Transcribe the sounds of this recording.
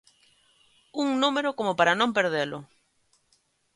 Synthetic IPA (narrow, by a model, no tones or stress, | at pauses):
uŋnũmeɾʊkomopaɾanõmpeɾðelʊ